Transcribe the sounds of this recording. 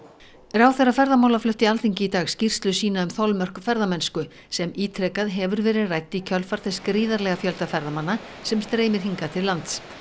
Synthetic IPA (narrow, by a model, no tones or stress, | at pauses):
ɾaːwθɛrafɛɾðamawlaflʏht̪ɪalθiɲcɪit̪aːɣscir̥st̪lʏsiːnaʏmθɔwlmœr̥kfɛɾðamɛnskʏ | sɛmiːt̪ʰɾɛkaðɦɛvʏɾvɛːɾɪðrajt̪ːicʰœlfaɾ̥θɛskɾiːðaɾlɛɣafjœlt̪afɛɾðamanːasɛmst̪ɾeːjmɪɾ̥ɦiŋkat̪ʰɪllːant̪s